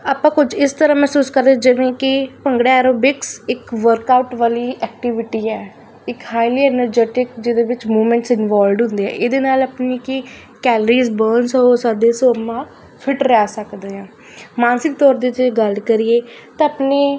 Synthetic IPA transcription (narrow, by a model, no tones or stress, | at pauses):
aːpːãːkʊd͡ʒɪst̪əɾãːmɛːsuːskəɾd̪ed͡ʒɪʋẽːkɪpəŋɡɽeɛːɾoːbɪksɪkʋəɾkaːʊʈʋaːliːʔɛːk̚ʈɪʋɪʈiːɛː | ɪkhaːɪliːɛːnəɾd͡ʒɛːʈɪkd͡ʒɪd̪eːʋɪt͡ʃmuːmɛ̃ːɳʈsɪnʋaːlɖɦʊ̃nd̪eːɛ̰ːʔeːd̪eːnaːləpniːkɪ | kɛːləɾiːzbəːnsoːsaːd̪eːsoːmːãː | pʰɪʈɾaːsəkd̪eːãː | mãːnsɪk̚t̪ɔːɾd̪eːd͡ʒeɡəlkəɾiːeː | t̪ãaːpneː